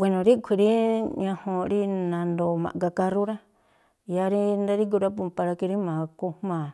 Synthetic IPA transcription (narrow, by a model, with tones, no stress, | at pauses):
we˧nõ˨ɾi˦kʷʰi˧˨ɾi˦ɲã˧hõ˧ɾi˦nã˧nd̪o˧mã̰˨˧ka˧ka˧ɾu˦ɾa˦ | ja˧ɾi˦nd̪a˦ɾi˦k̬u˧ɾa˦p̬u˧mpa˧ɾa˧ki˧ɾi˦mã˨ku˧mã˨